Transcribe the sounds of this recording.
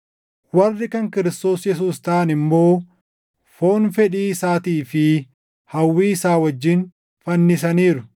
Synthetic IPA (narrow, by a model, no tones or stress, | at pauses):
wɐrːɪkɐŋkɪɾɪst̪oːsjɛs̬uːst̪ɐʔɐnɪmːo̞ː | fo̞ːnfɛᶑiːsaːt̪iːfɪ | hɐwːiːɪsaːwɐd͡ʒːɪn | fɐnːɪsɐniːɾʊ